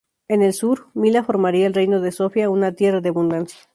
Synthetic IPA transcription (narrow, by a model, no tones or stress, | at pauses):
e̞ne̞lsuɾmilafo̞ɾmaɾiaelrejno̞ð̞e̞so̞fjaunat̪je̞raðeaβund̪ansjḁ